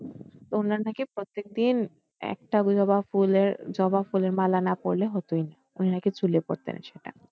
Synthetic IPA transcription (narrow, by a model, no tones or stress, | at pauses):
t̪ounaɾnakepɾot̪ːek̚d̪in | ɛ̰k̚ʈad͡ʑɔbafuleɾd͡ʑɔbafuleɾmalanapoɾleɦɔt̪ojna | uninaket͡ɕulepo̰ɾt̪ḛnʃeʈa̰